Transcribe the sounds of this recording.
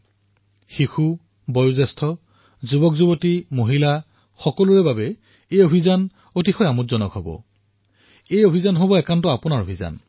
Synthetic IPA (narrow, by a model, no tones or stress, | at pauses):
xixu | bɔjuzɛstʰɔ | zubɔkzubotimoɦila | xɔkɔluɹɛbabɛ | ejobʱizan | otixɔjamutzɔnɔkɦɔbɔ̰ | ejobʱizanɦobɔɛkantɔapʊnaɹobʱiza̰n